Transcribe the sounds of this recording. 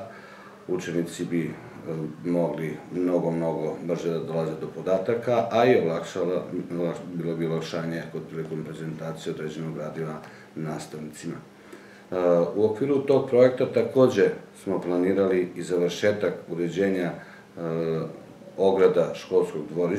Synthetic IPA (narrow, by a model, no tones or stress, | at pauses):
ut͡ʃe̞nit̪sibi | mo̞ɡlimno̞ɡo̞mno̞ɡo̞br̩ʒed̪ad̪o̞lˠazed̪o̞po̞d̪aːt̪akaʔaiolak | labilobiolakʃaːɲeko̞d̪̚pɾilikompɾeze̞nt̪aːt̪sijeod̪ɾed͡ʑe̞noɡɾaːd̪iʋa | naːst̪aʋnit̪sima̰ | uokʋiːɾut̪o̞ɡ̚pɾo̞je̞k̚t̪at̪ako̞ːd͡ʑe̞smo̞plˠaniːɾaliizaʋrʃe̞ːt̪akuɾe̞d͡ʑe̞ːɲa | o̞ɡɾad̪aʃko̞lˠsko̞ɡd̪ʋo̞ɾi